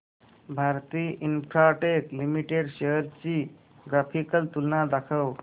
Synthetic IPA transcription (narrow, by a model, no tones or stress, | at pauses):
bʱaɾt̪iʔinpʰɾaʈeklimiʈeɖseɦəɾt͡ʃi | ɡɾapʰikəlt̪ulnad̪əkʰəw